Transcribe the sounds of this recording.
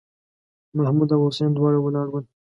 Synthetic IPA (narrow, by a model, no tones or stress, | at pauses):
mahmud̪awosend̪wɑːɽawəlɑɽwən